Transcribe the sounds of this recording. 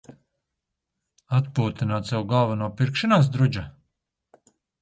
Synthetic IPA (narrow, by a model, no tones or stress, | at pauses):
at̪puːt̪inaːt̪sʲɛwɡalˠvanuɔpiɾkʃinaːs̬d̪ɾud͡ʒa